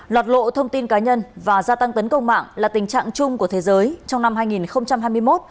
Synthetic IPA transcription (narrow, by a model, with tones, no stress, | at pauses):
lwaː˨˩t̚lo̰˧˨t̪ʰə˧wŋ͡mt̪i˧nkaː˨˦ɲə˧nvaː˨˩zaː˧t̪a˧ŋt̪ə˨˦nkə˧wŋ͡mma̰ː˧˨ŋlaː˨˩t̪ï˨˩ŋ̟t͡ɕa̰ː˧˨ŋt͡ɕʊ˧ŋ͡mku˧˩ət̪ʰe˨˦zəː˨˦jt͡ɕɔ˧wŋ͡mna˧mɦaː˧jŋi˨˩nxə˧wŋ͡mt͡ɕa˧mɦaː˧jmɨ˧əjmo˦˥t̚